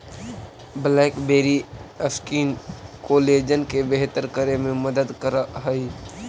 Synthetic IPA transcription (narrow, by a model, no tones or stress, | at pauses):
blaːkbeːɾiəskiːnkoːleːd͡ʒənkebeɦt̪əɾkəɾemẽməd̪əd̪kəɾaɦəi